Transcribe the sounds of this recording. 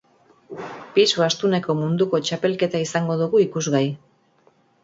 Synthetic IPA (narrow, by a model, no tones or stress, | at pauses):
pisuast̪une̞ko̞mund̪uko̞t͡ʃape̞lke̞t̪aisaŋɡo̞ðuɣuikuzɣaj